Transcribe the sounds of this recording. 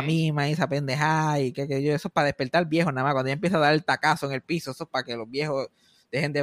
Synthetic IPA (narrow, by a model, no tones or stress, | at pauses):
mimaisapend̪eɦaikekeiʝoesoepaðe̞hpe̞ɾt̪aɾlbje̞honamahwand̪oaemp̬jes̬aðaɾe̞lt̪akasoeŋe̞lpisoesoepake̞lo̞zbje̞hos | d̪̥e̞he̞nd̪e